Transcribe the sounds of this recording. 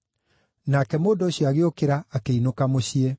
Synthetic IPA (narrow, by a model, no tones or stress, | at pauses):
nakɛmoːndoɕjiaɣeokeɾaːkeinokamoɕie